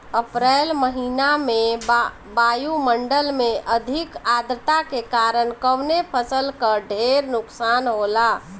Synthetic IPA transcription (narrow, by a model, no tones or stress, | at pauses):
əpɾɛːlməɦiname | bajuməɳɖəlmeʔəd̪ʱikad̪ɾət̪akekaɾənkəwnepʰəsəlkəɖʱeɾnʊksanɦola